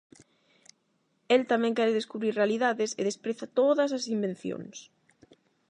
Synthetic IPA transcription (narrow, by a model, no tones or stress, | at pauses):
elt̪amɛ̃ŋkɛɾeðeskuβɾiɾrealiðaðesḛðespɾeθat̪oðɐsɐsimbẽnθjo̰ŋs